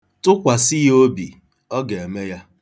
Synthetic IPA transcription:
tʊ˦kʷa˨si˦jo˦bḭ˨ | ɔ˦ɡe˨e˨me˦ja˦

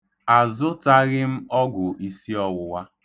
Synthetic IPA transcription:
a˨zʊ˦ta˦ɣɪ˦m̩˦ɔ˦ɡʊ˨ʔi˨si˦ɔ˦wʊ˨wa˦

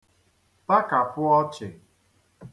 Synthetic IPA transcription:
pa˦ka˨pʊ˦ɔ˦t͡ʃɪ˨

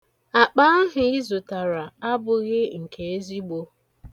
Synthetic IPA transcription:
a˨k͡pa˦ɦʊ˨i˦zʊ˨ta˨ɾa˨a˦bʊ˨ɣɪ˦ŋ̩˨kʰe˨e˦zi˦ɡ͡bo˦

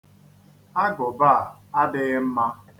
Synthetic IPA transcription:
a˦ɡʊ˨ba˦˨a˦dɪ˦m̩˦ma˦

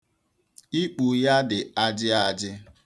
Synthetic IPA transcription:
i˦k͡pu˨ja˦dɪ˨a˦d͡ʒɪ˦a˨d͡ʒɪ˦

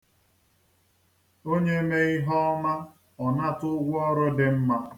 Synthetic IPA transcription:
o˦ɲe˦me˦i˦ɦɔ˦ma˦ | ɔ˨na˦tʊ˦ɡʷʊ˦ɔ˦ɾʊ˦dɪ˨m̩˦ma˦

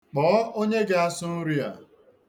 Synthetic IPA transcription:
k͡pɔː˨˦o˦ɲe˦ɡa˦a˦sʊ˦n̩˦ɾi˦a̰˨

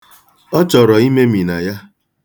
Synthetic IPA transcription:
ɔ˦t͡ʃɔ˨ɾɔ˨i˦me˦mi˨na˨ja˦

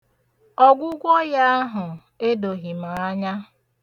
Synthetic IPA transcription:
ɔ˦ɡʷʊ˦ɡʷɔ˦ja˦a˦ɦʊ˨ | e˦do˨ɦi˨ma˨a˦ɲa˦

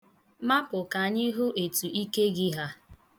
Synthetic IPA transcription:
ma˦pʊ˨ka˨ɲɪ˦ɦʊ˦ʔe˨tu˨ʔi˦ke˦ɡɪ˦ɦa˦

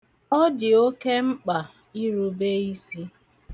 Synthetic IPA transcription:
ɔ˦dɪ˨o˦ke˦ŋ͡m̩˦k͡pa˨ | i˦ɾu˦be˦i˦si˦

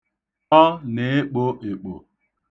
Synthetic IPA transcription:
ɔ˦ne˨e˦k͡po˦ʔe˨k͡po̰˨

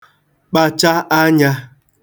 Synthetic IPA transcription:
k͡pa˨t͡ʃa˦ʔa˦ɲa˦

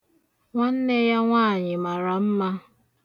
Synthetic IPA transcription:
ŋʷa˦n̩˦ne˦ja˦ŋʷaː˦˨ɲɪ˨ma˨ɾa˨m̩˦ma˦

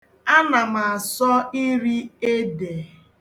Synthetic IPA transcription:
a˦na˨ma˨a˨sɔ˦i˦ɾi˦e˦de˨

